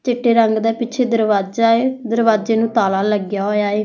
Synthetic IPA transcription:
t͡ʃɪʈːeːɾəŋɡd̪aːpɪt͡ʃʰeːd̪əɾʋaːd͡ʒaːed̪əɾʋaːd͡ʒeːnũːt̪aːlaːləɡjaːɦoːjaːeː

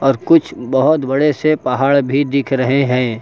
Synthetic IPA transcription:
ɔːɾkʊt͡ʃʰbɐɦʊt̪bɐɽesepɐɦaːɭbʱid̪ɪkʰɾɐɦeɦɛ̃ː

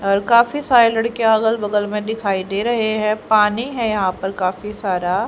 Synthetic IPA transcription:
ɔːɾkaːfisaːɾelɐɽkeaːɡəlbɐɡəlmẽd̪ɪkʰaːid̪eːɾɐɦeɦɛ̃paːniɦɛ̃jɐɦãpɐɾkaːfisaːɾa

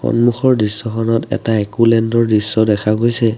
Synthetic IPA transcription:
xɔ̰nmuxʰɔɹdɹisːɔxʰɔnɔtɛ̰taɛkulɛndɔɹdɹisːɔdɛkʰaɡojsɛ

